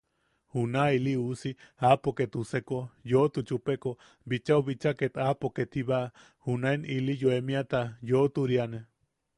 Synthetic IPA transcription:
hunailiusiapoket̪usekojot̪ut͡ʃupeko | bit͡ʃauβit͡ʃaket̪apoket̪ʰiβa | hunaenilijoemĩat̪ajot̪uɾiane

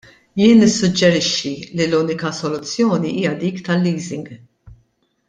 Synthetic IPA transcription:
jɪːnɪsːʊd͡ʒːɛɾɪʃːililuːnɪkɐsɔlʊt͡sːjɔːniʔiːjɐd̪iːkt̪ɐlːiːzɪŋɡ

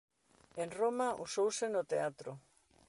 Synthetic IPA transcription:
enromaʔusowsenot̪eat̪ɾo

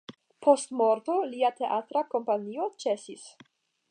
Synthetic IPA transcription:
pʰo̞stmoɾto̞liate̞ʔatɾako̞mpanio̞t͡ʃe̞sis

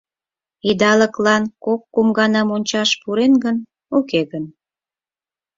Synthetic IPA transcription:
id̪ɑləklɑnkokːomɡɑnɑmonʲt͡ɕɑʃpuɾenɡən | okeɣən

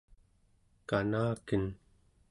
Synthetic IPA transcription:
kanaːkən

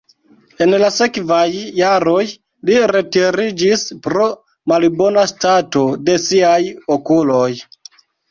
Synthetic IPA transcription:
e̞nlase̞kvajːaɾo̞j | liɾe̞tiɾid͡ʒispɾo̞ | malbo̞nastato̞de̞siajokulo̞j

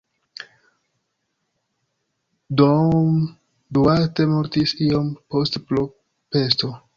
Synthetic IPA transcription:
dom | duate̞mo̞ɾtisio̞mpo̞stplo | pe̞s̬to̞

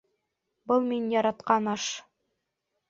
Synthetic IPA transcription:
bɤlˠminjɑɾɑt̪qɑnɑʃ

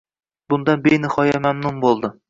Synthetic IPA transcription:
bʊnd̪ɑnbejnɪhɒjamamnʊmbolˠd̪ɪ

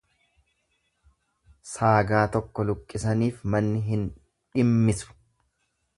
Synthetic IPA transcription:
saːɡaːt̪ɔkːɔlʊkʼːɪsɐniːfmɐnːɪɦɪn | ᶑɪmːɪsʊ̥

